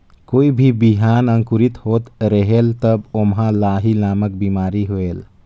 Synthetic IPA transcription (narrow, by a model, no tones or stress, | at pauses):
koːibʱibiɦanəŋkuɾit̪hot̪ɾəɦelt̪əbomɦãlaɦilaːmək̚bimaɾiɦoel